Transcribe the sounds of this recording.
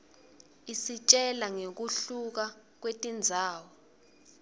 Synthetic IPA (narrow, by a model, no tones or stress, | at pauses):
isit͡ʃʼɛlaŋek̬uɬuk̬a | k̬wetʼind͡zʱaːwɔ